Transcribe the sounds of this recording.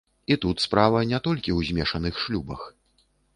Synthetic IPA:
it̪ut̪spɾavɐnʲɛt̪ɔlʲkʲiwzʲmʲɛʂɐnɨxʂlʲubɐ̰x

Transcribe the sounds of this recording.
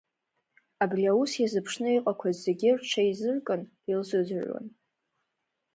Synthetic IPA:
abriausjazɨpʰʂnɨiqʼakʷʰazːe̞ɡʲɪrʈ͡ʂʷʰaizɨrkʼɨn | ilzɨzʕwa̰n

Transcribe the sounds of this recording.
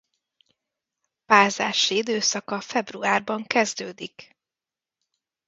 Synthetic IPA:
paːzaːʃiid̪øːsɒkɒfɛbruaːrbɒŋkɛzd̪øːd̪ik

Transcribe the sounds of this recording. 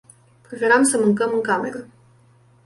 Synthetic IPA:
pɾefeɾamsəmɨŋkəmɨŋkame̞̰ɾə

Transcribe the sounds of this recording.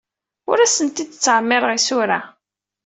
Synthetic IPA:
ʊ̰ɾæsənt̪id̪t͡sːʕəmːɪɾˤʁisʊɾa

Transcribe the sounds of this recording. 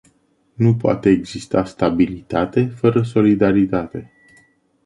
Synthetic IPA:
nupoa̰t̪e̞ːɡz̥ist̪ast̪abilit̪at̪e̞fəɾəso̞lid̪aɾit̪at̪e̞

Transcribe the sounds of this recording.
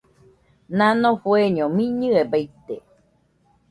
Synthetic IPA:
nãnõfueɲomĩɲɨebajt̪e

